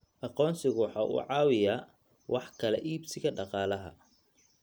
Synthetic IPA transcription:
ʔɑqɔːnsɪɣʊwħɑːʔʊ̰ːʕɑːwɪjaː | wʔɑħkʰɐlɛ̰ʔiːbsɪɣɐɖɑqɑːlɐɦɐ̰

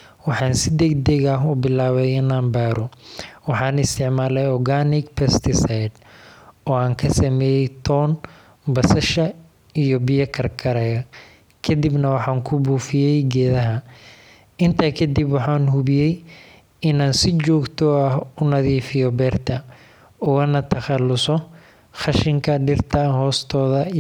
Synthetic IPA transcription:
wɑħɑːnsɪd̪ɐɡd̪ɛɣɐɦʊbɪlaːβɛjɪnaːmbaːɾɔwɑħɑːnɪst̪ʰɪʕmaːlɛjɔrɡaːnɪkpʰɛst̪ʰɪsajd̪ | ɔːaːŋkʰɐsɐmɛːjɛjt̪ʰɔːn | bɐsɐʃɐ | ijɔbɪjɐkʰɐrkʰɐɾɛɣɐ | kʰɐd̪ibnɐwɑħɑːŋkʰʊbuːfɪjɛjɡɛːðɐɦɐ | ɪnt̪ʰakʰɐd̪ɪbwɑħɑːnhʊβɪjɛj | ɪnaːnsɪt͡ʃɔːɡt̪ʰɔɐɦʊnɐðiːfɪjɔbɛːrt̪ʰɐ | ɔwɐnɐt̪ʰɐχɑlːʊsɔ | χɑʃɪŋkʰɐɖɪrt̪ʰɐnɦɔːst̪ʰɔːðɐ

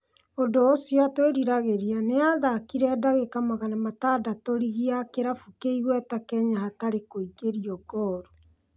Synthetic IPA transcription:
odoːsijatweɾiɾaɣeɾianeaðakiɾɛːdaɣekamaɣanamatadatoɾiɣiakeɾafukeiɣwɛtakɛɲahataɾekoiɣeɾiɔɡɔːɾu

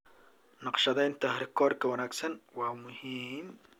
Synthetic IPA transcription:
nɑqʃɐðɛjnt̪ʰɐɦɾɪkʰɔːrkʰɐwɐnaːɡsɐnwɑːmʊhiːm

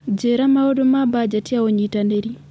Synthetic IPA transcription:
d͡ʒeɾamaɔdomabad͡ʒatiaoɲitandeɾi

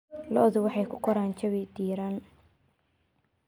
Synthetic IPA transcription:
lɔʔðʊwɑħɑjkʰʊqʰɔɾaːnt͡ʃɐβɪd̪iːɾan

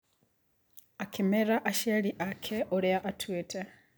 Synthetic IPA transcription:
akʰimeɾaʔaʃaliʔakʰeʔoɾeaʔatʰwetʰe

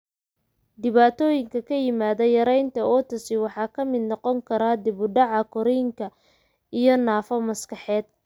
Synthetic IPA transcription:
d̪ɪβaːt̪ʰɔːjɪŋkʰɐkʰɐjɪmaːðɐjɐɾɛjnt̪ʰɐɔt̪ɐsɪwɑħɑːkʰɐmɪd̪nɔqɔŋkʰɐɾaːd̪ɪβʊɖɑʕɑkʰɔɾɛjɪŋkʰɐ | ijɔnaːfɐmɐskɑħɛːd̪

